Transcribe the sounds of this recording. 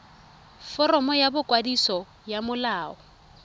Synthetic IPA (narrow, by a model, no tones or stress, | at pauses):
fɔrɔmɔjabʊkʼwadisɔ | jamʊlaːɔ